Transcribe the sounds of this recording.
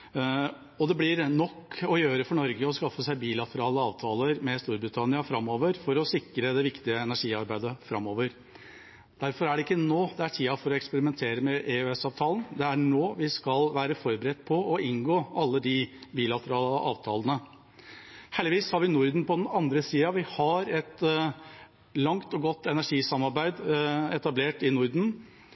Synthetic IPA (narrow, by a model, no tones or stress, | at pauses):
ɔd̪ɛblɪɾnɔkːɔjøːɾəfɔɳɔɾɡəɔskɑfːəsæɪbiːlɑt̪ʰəɾɑːləɑːʋt̪ʰɑːləɾmɛst̪uːɾbɾɪt̪ʰɑnɪɑfɾɑmoːʋəɾfɔɾɔsɪkɾəd̪ɛʋɪkt̪ɪəɛnæʂiːɑɾbæɪd̪əfɾɑ̰mːoːʋəɾ | d̪̥æɾfɔɾæɖɛɪkːənoːd̪ɛæʈʰiːɑfɔɾɔɛkspəɾɪmɛnt̪ʰeːɾəmɛʔɛøɛsɑːʋt̪ʰɑːlənd̪ɛæɳoːʋɪskɑlʋæːɾəfɔɾbəɾɛt̪ːpʰɔɔɪŋɡoːɑlːəd̪ɪbiːlɑt̪əɾɑːlə̰ʔɑ̰ːʋt̪ʰɑ̰ːlənə | hɛlɪʋiːshɑɾʋɪnʊɾd̪n̩pɔd̪ɛnɑnd̪ɾəsiːɑʋɪhɑɾɛt̪ | lɑŋt̪ɔɡɔt̪ːɛnæʂiːsɑmɑɾbæɪd̪ɛt̪ɑbleːʈɪnʊɾd̪n̩